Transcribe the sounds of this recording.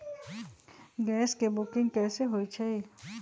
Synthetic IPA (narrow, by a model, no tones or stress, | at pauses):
ɡɛːskebʊkɪ̃ŋɡkɛːseɦoːit͡ʃʰei